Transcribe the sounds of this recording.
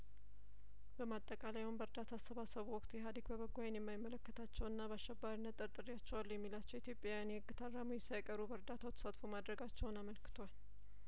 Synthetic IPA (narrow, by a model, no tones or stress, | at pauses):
bəmat̪ʼːəkʼalajhonbəɾd̪at̪ʰasəβasəβwɔkʼt̪jɛɦad̪əɡbəβəɡːajɛnjɛmːajmːələkːət̪ʰat͡ʃːɛwɨnːabəaʃɛbːaɾinːət̪ʼːɨɾt̪ʼɨɾijat͡ʃːɛwalːujɛmːilat͡ʃːɛwit̪ʰjopʼjajanjɛɨɡɨt̪ʰarːamujɛsajkʼəɾubəɾd̪at̪ʰawt̪ʰə̥sat̪fomad̪ɾəɡat͡ʃːɛwnaməlkʰɨ̥t̪ʰoal